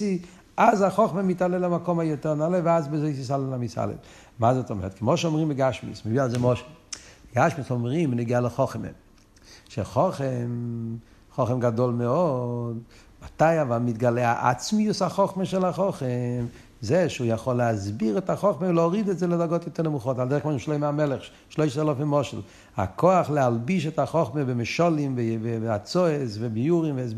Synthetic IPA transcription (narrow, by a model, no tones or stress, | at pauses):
i | azaχɔχməmitalɛlamakɔmajotɛʁnalɛveazbɪzeɪs̬is̬alɛlamisa̰lɛ̰l | mazɛtɔmɛ̰ʁtkʰəmoʃɔmʁimbɪɡaʃmḭsməvialˠzemɔʃɪɡaʃmisɔmʁimnɛɡialɪχɔχmḛ | ʃeχɔχɛm | χoχəmɡadolˠmeɔd | mataɪavalmitɡalɛa̰ʔa̰t͡smiushaχɔχməʃɛlaχɔχɛm | zeʃujaχɔlːeazbiʁɛtaχɔχmelɔʁidɛtzɛlədaɡɔtjɔt̪ɛʁnəmuχɔtalˠdɛʁχkmɔʃmʃleɪmeamɛlɛχ | ʃloɪʃsalafimɔʃɪlˠ | a̰kʰoaχlealˠbiʃɛtaχɔχmebɪmɪʃɔlimvvat͡sɔesvɪbijuʁimvs